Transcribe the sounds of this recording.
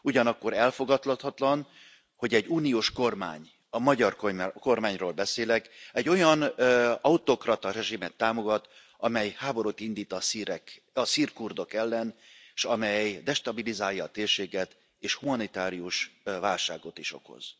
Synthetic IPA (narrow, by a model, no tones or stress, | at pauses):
uɟɒnɒkːo̞ɾɛlfo̞ɡɒt̪lɒt̪hɒt̪lɒn | ho̞ɟɛɟːuːnijoːʃko̞rma̰ːɲ | ɒmɒɟɒrkoko̞rmaːɲroːlbɛseːlɛkɛɟːo̞jɒnɒut̪o̞krɒt̪ɒɾɛʒimɛt̪ːaːmo̞ɡɒt̪ | ɒmɛjhaːbo̞ɾot̪ind̪iːt̪ɒsiɾɛk | ɒsiːrkurd̪o̞kɛlːɛnʃɒmɛjd̪ɛʃt̪ɒbilizaːljɒːt̪eːrʃeːɡɛt̪ | eːʃhumɒnit̪aːɾijuʃvaːlʃaːɡo̞t̪iʃo̞̰ko̞̰z̥